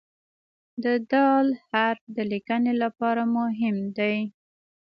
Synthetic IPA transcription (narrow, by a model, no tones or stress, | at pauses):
d̪əd̪ɑlhaɾfd̪əlikənelapɑɾamʊɦɪmd̪aj